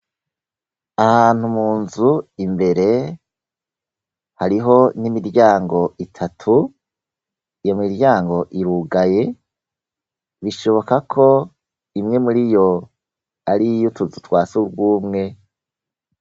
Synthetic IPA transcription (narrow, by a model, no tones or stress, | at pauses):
ahaːn̥humuːnzuimbe̞ɾe̞ | haɾiɦo̞nimiɾjaːŋɡo̞ʔitʰatʰu | ijomiɾjaːŋɡo̞ʔiɾuɡaje̞ | βiʃo̞βo̞kakʰo̞ | imŋe̞muɾijo̞ | aɾijutuzutwaːsuɾɡwuːmŋe̞